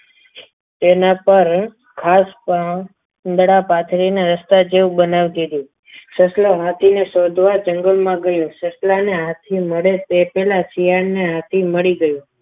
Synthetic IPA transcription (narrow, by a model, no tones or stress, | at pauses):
t̪enapəɾ | kʰaspa | nd̪əɽapat̪ʰɾinaɾəst̪ad͡ʒeũbənaʋd̪id̪ĩ | səsloɦat̪ʰinesod̪ʱʋad͡ʒəŋɡəlmãɡəjũsəslaneɦãt̪ʰiməɽet̪epɛlasijaɳneɦat̪ʰiməɭiɡəjũ